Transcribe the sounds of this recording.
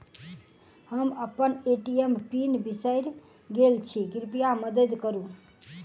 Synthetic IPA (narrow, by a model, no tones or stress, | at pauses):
həməpːəneʈiempinbisəjɾ | ɡelt͡ʃʰiɡiɾpijaməd̪əd̪kəɾu